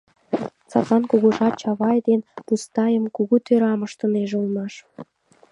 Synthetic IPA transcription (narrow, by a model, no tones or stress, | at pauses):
t͡sɑ̰kɑnkuɣoʒɑt͡ɕɑβɑjd̪enpust̪ɑjəmkuɣut̪øɾɑmə̆ʃt̪ə̆neʒeulˠmɑʃ